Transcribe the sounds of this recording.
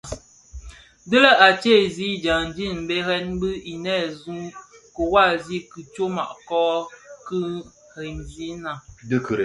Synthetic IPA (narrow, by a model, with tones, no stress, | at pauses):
də˦lə˦ʔa˨t͡ʃe˦˨zi˦d͡ʒa˨ŋn˨d͡ʒi˦˨n˨be˦ɾɛ˦nbɨ˦i˨nɛ˦˨zu˦ŋ | ko˨wa˦˨zi˦ki˨t͡ʃo˦ma̰˨ʔkɔ˦ki˦ | ɾɛ˨nzi˦na˨də˦kə˨ɾe˨